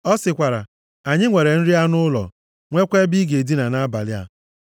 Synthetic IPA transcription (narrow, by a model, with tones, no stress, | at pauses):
ɔ˦sɪ˨kʷa˨ɾa̰˨ | a˨ɲɪ˦ŋʷe˨ɾe˨n̩˦ɾi˦a˦nʊ˦lɔ̰˨ | ŋʷe˦kʷe˦bi˦ɡe˨di˦na˨na˦ba˨lɪ˦a̰˦